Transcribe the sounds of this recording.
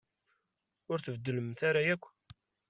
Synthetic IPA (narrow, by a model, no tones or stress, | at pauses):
ʊɾθəvəd̪ːələmθaɾajækʷː